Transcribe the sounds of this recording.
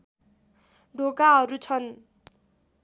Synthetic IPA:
ɖokaɦʌɾut͡sʰʌn

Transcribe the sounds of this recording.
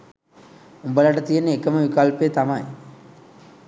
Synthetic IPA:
umbɐlɐʈɐt̪ijɐnːekːɐmɐʋikalpeːt̪ɐmaj

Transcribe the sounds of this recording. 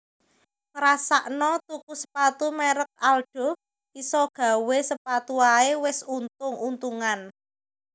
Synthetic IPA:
məɾasaʔnɔt̪ukusə̥pat̪umɛɾək̚alɖ̥ɔ̤ | isɔɡ̥ä̤wesəpat̪uaewɪsunt̪ʊŋunt̪uŋan

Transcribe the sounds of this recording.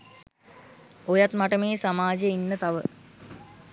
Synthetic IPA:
ojat̪maʈəmeːsamaːd͡ʒeinːət̪aʋə

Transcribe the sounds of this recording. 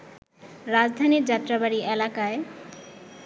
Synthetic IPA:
ɾad͡ʑd̪ʱaniɾd͡ʑat̪ːɾabaɽiʔelakae

